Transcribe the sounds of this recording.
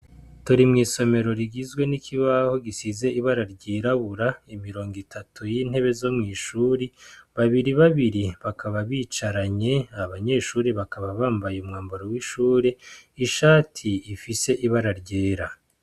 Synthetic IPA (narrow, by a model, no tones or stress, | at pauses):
tuɾimŋiːso̞me̞ɾo̞ɾiɡizɡwe̞nikʰiβaho̞ɡisize̞iβaɾaɾɟiːɾaβuɾaimiɾo̞ːŋɡitʰatʰujin̥he̞βe̞zo̞mŋiːʃuːɾiβaβiɾiβaβiɾiβakʰaβaβiːt͡ʃaɾaɲe̞aβaɲe̞ːʃuːɾeβakaβaβaːmbajeumŋaːmboɾowiʃuːɾeiʃaːtʰiːfise̞ʔiβaɾaɾɟeːɾa